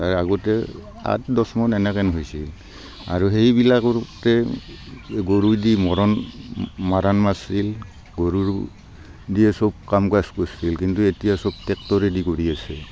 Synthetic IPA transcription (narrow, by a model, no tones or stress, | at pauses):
aɹaɡɔtɛ | a̰tdɔsmɔnɛnɛkɛnɦojsil | a̰ɹuɦejbilakɔtɛ | ɡoɹuɹdimɔɹɔn | maɾanmasil | ɡoɹuɹ | diɛsɔb̚kamkaskosilkintuetijasɔb̚tɛk̚tɔɹɛdikoɹiasɛ